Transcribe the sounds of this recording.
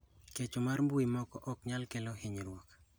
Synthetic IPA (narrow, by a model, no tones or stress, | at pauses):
ket͡ʃomarmbuimɔkɔʔɔkɲalkɛlɔheɲɾwɔk